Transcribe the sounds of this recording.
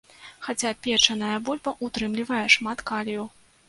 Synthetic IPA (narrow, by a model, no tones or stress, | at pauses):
xat͡sʲapʲɛt͡ʂɐnɐjɐbɔlʲbɐʔut̪ɾɨmlʲivɐjɛʂmat̪kalʲjuw